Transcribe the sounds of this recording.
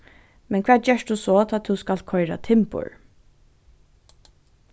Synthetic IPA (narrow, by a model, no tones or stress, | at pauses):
mɛnkʰʋæːt͡ʃɛːʃd̪usɔt̪ʰaːt̪ʰʊwskalt̪̚kʰɔʏɾa̰t̪ʰɪmpʊ̰ɹ